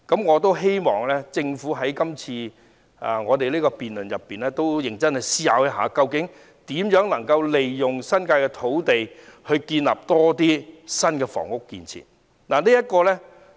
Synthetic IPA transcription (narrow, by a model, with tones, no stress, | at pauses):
kɐ˨˥mŋɔː˨˧t̪o˥wɦe˥jmɔː˨˩ŋlɛː˥t͡sɪ˧ŋfuː˨˥ɦɐ˨˥jkɐ˥mt͡sʰiː˧ | a̰˨˩ŋɔː˨˧t̪e˨liː˥kɔ˧piː˨nlɵ˨˩njɐ˨pːiː˨nlɛː˥t̪o˥wjɪ˨˩ŋt͡sɐ˥nhɛ˨jsiː˥ja̰ː˨˥wjɐ˥ɦa̰ː˨˥kɐ˧wkɪ˨˥ŋ | t̪iː˨˥mjœː˨˥ŋlɐ˨˩ŋkɐ˧wle˨jjʊ˨ŋsɐ˥nkaː˧jkɛ˧t̪ʰo˨˥wt̪e˨jhɵ˧ɥkiː˧nla̰ː˨˩p̚t̪ɔː˥t̪iː˥sɐ˥nkɛː˧fɔ̰ː˨˩ŋʊ˥kːḭː˨˧nt͡sʰḭ˨˩n | naː˨˩liː˥jɐ˥t̚kɔː˧lɛː˥